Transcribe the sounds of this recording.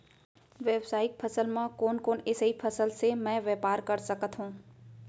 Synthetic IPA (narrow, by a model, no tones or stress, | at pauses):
ʋeːwsaːɪk̚pʰəsəlmãkoːnkoːnɪsɦipʰɐsəlsemɛ̃ːʋɛːpaːɾkɐɾsɐkət̪ɦũː